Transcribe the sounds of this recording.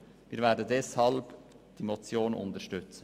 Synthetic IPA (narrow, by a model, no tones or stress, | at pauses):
viːɾvɛːdn̩dɛshɑlb | d̪̥iːmɔt͡sjoːnʊ̰nt̪əʃtʏt͡s